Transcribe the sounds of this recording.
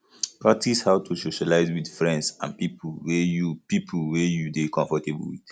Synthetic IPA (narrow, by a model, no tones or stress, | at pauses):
patishaʊtʰusoʃalaɪzwidfɹɛ̃ndsã̰npipʰwɛjupipʰlwɛjudekʰɔ̃ɱfɔteb̰̩wḭd